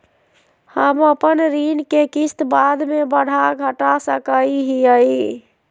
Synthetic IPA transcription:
həməpənɾinkekist̪bad̪mebəɽ̤aɡʱəʈasəkəiɦiəi

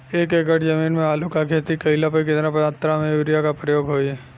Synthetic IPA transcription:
eːkeːkəʈʰd͡ʒəmiːnmẽaːlukakʰeːt̪ikɐɪlapəikɪt̪napãt̪ɾamẽjuːɾijakapɾəjoːɡɦoːiɛ

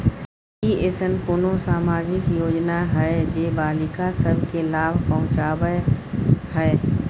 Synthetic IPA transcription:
ieːsənpʊnosaːmaːd͡ʒɪkjoːd͡ʒnaɦɛd͡ʒeːbaːlɪkasəbʱkelaːbʱpəɦʊ̃t͡ʃaːwə | hɛ

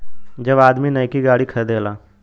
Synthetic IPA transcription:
d͡ʒɐbaːd̪minɐːkiɡaːɽikʰɐd̪eːlaː

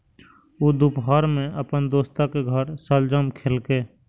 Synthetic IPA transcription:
ud̪upɦaːɾmẽʔəpənd̪oːst̪akeɡʱəɾsəld͡ʒəmkʰelkeː

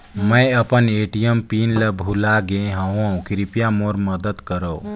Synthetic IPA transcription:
məjəpəneʈijəmpinləbʱulaɡẽɦə̃wõkiɾipjamoɾməd̪əd̪kəɾo

